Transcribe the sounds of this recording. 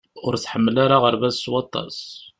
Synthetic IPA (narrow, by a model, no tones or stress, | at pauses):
ʊɾθħəmːlaɾaʁəɾvæzswɑt̪ˤːɑ̰s